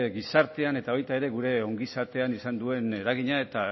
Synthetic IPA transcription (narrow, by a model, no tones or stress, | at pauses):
ɣisaɾt̪eane̞t̪ao̞jt̪ae̞ɾe̞ɣuɾe̞o̞ŋɡisaɾt̪e̞anisand̪ue̞ne̞ɾaɣ̞iɲae̞t̪a